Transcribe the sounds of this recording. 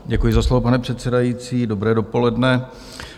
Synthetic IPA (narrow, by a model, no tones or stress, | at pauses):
ɟɛkujɪzaslovo̞panɛpr̝̥ɛt̪t͡sɛdajit͡siːdo̞bɾɛːdo̞po̞lɛdnɛ